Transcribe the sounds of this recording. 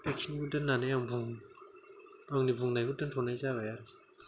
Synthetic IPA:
pekʰinɡudɯnːanajaŋbuŋ | aŋnibuŋnajɡudɯntʰɔnajzabajaɾɯ

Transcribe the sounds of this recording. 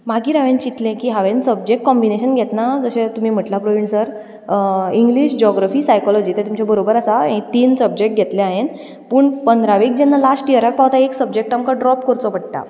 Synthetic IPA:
maɡiːɾaʋẽnt͡ɕit̪lẽkiːɦaʋensəb̚d͡ʑek̚ʈ̚kːɔmbineɕənɡʱɛt̪nad͡zəɕẽt̪um̤iːm̤əʈlapɾoʋiɳsəɾ | iŋɡliɕd͡ʑɔɡɾafiːsajkɔlɔd͡ʑiːt̪et̪umt͡ɕabəɾobəɾasaẽt̪iːnsəb̚d͡ʑek̚ʈ̚ɡʱet̪lẽaɦen | pəːɳpənd̪ɾaʋik̚d͡ʑɛnːalasʈiəɾak̚paʋt̪aeksəb̚d͡ʑek̚ʈamkaɖɾɔpkɔɾt͡sɔpəɽʈ̪a̰

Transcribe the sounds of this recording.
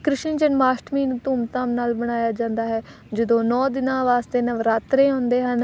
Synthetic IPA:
kɾɪʃənd͡ʒənmaːsʈmiːnut̪uːmt̪ãːmnaːlbəɽ̃aːjaːd͡ʒãːnd̪aːɦɛː | d͡ʒəd̪õːnɔːd̪ɪnãːʋaːst̪eːnəʋɾaːt̪ɾẽːõːnd̪eːɦən

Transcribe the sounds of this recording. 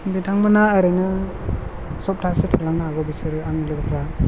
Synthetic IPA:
bidaŋmanaːɾɯnɯ | sɔp̚tʰasɯtʰalaŋnaaɡɔbisɯɾɯanlɯɡpʰɾa

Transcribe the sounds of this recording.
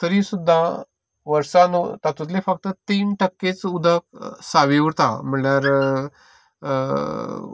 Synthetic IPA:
t̪əɾiːsud̪ʱːã | ʋəɾsant̪at̪ut̪̬lefək̚t̪ət̪iːnʈəkːet͡sud̪ʱək̚saʋiuɾt̪a̰m̤iɭɳjaɾ

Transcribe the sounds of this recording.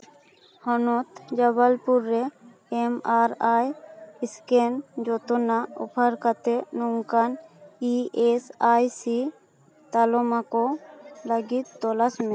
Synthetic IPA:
hɔnɔt̪d͡ʒaβalpuɾːɛ | ɛmaɾajiskɛnd͡ʒɔt̪ɔnaɔpʰaɾkat̪ɛnɔŋkaniesajsi | t̪alɔmakɔləɡit̪ːɔlasmɛ

